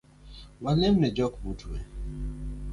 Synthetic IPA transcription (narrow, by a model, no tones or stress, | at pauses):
walɛmnɛd͡ʒɔkbutʰwḛ